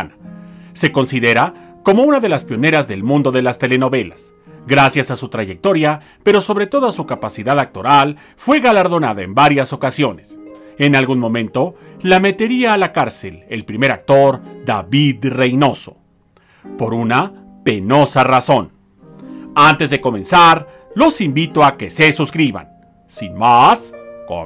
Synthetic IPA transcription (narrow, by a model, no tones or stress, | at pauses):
nase̞ko̞nsiðe̞ɾako̞mo̞unaðe̞laspjo̞ne̞ɾazðe̞lmũnd̪o̞ðe̞last̪e̞le̞no̞βe̞las | ɡɾasjasasut̪ɾaʝe̞k̚t̪o̞ɾja | pe̞ɾo̞so̞βɾe̞t̪o̞ðasukapasiðaðak̚t̪o̞ɾal | fwe̞ɣalaɾðo̞naðae̞̰mbaɾjaso̞kasjo̞ne̞se̞nalɣunmõ̞mẽ̞nt̪o̞lame̞t̪e̞ɾiaːlakaɾse̞̰le̞lpɾime̞ɾak̚t̪o̞ɾd̪a̰βiðre̞jno̞so̞̰ | po̞ɾuna | pe̞no̞saraso̞n | ant̪e̞zðe̞ko̞mẽ̞nsaɾ | lo̞simbit̪o̞ake̞se̞suskɾiβa̰n | sinmasko̰